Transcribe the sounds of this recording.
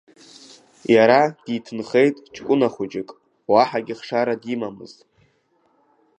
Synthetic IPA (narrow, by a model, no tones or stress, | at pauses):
jaɾad̥itʰɨnχe̞jtʼt͡ʃʰʼkʷʼʊnaχʷʊd͡ʒɪkʼ | waħaɡʲiχʂaɾadimamɨ̰ztʼ